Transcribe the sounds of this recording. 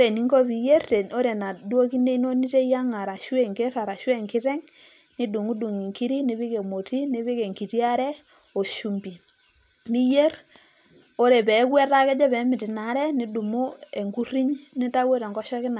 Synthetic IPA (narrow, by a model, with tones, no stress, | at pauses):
o˦ɾe˨ni˦ŋkɔ˦pi˨je˦rte˨o˦ɾe˨na˨do˦ki˦ne˦i˦no˦ni˦te˦ja˦ŋa˨ɾa˨ʃwe˦˨ŋke˦ɾa˨ɾa˨ʃwe˦˨ŋkɪ˦ɾɛ˦ŋ | ni˦du˨ŋu˦du˨ŋi˨ŋki˦ɾi˦ni˨˦βi˦ke˨mo˨ti˦ni˦βi˦ke˨ŋki˨ti˦a˦ɾɛ˦ | o˨ʃu˨mbi˨ | ni˦je˦r | o˦ɾe˨pɛ˨˦kwɛ˦ta˦kɛ˦d͡ʒɛ˦pɛ˨˦mɪ˨tɪ˨na˨˦ɾɛ˦ni˦du˨mu˦e˨ŋɡu˦ri˦ɲni˦ta˦we˦ɾa˨ŋɡɔ˦ʃɔ˦kɪ˦na˨